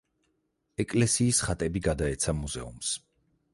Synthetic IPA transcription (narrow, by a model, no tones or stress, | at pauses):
ɛkʼlɛsiːsχat̪ʼɛbiɡad̪aɛt̪sʰamuzɛṵms